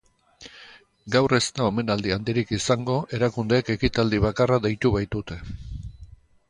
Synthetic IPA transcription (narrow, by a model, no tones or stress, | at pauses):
ɡawre̞st̪aome̞nald̪iand̪iɾikisaŋɡo̞ʔe̞ɾakund̪e̞ːke̞kit̪ald̪iβakaraðejt̪uβajt̪ut̪e̞